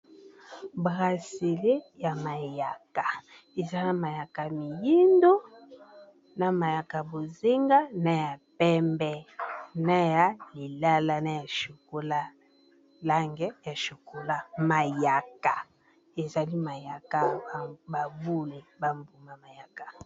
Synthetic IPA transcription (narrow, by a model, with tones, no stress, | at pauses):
bʁa˨se˨le˦ja˨ma˨ja˨ka˨ | e˨za˦na˨ma˨ja˨ka˨mi˨ji˦ndo˦ | na˨ma˨ja˨ka˨bo˨ze˦ŋɡa˦na˦ja˨pɛ˦mbɛ˦na˦ja˨li˨la˦la˦na˦ja˨ʃo˨ko˦la˦ | la˦ŋɡɛ˦ja˨ʃo˨ko˦la˦ma˨ja˨ka˨ | e˨za˨li˦ma˨ja˨ka˦˨ba˨bu˦le˨ba˦mbu˨ma˨ma˨ja˨ka˨